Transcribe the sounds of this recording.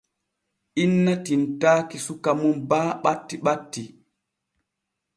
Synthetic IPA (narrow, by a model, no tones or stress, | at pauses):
ʔinːatintaːkisukamunbaːɓatːiɓatːi